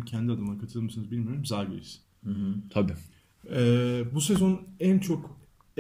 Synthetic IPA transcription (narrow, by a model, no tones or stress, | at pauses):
mcʰænd̪iad̪ɯmɯlakʰat̪ʰɯlˠɯmɯsɯnɯzbilʲmijoɾɯmzaːɡø̰ɾis | hɯɦ̩t̪ʰabi | ɛːbusezo̞nænt͡ʃʰo̞k